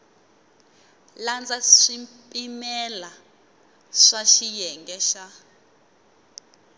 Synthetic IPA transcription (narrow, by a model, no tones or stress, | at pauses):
land͡zaʂimpʼimɛla | ʂaʃijɛŋɡɛʃa